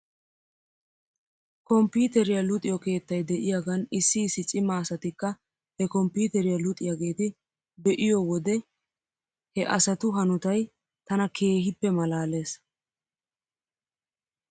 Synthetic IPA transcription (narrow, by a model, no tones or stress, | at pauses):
kɔmpiːt̪ɛɾɪjɐlʊt̪ʼɪjɔke̞ːt̪ːɐjd̪ɛʔɪjaɡɐnɪsːɪːsɪt͡sʼːɪmaːsɐt̪ɪkːɐ | hɛkɔmpuːt̪ɛɾɪjɐlʊt̪ʼɪjaɡe̞ːt̪ɪ | bɛʔɪjɔwɔd̪ɛ | hɛʔɐsɐt̪ʊɦɐnʊt̪ɐj | t̪ɐnɐkʰe̞ːɦɪpːɛmɐlaːle̞ːs